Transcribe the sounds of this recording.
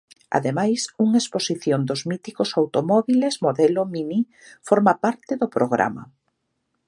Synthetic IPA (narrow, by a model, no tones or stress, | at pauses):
a̰ðemajsuŋaesposiθjond̪ʊzmit̪ikʊsawt̪omɔβilezmoðɛlʊmini | fɔɾmapaɾt̪ɪðʊpɾoɣ̞ɾʔa̰mɐ̰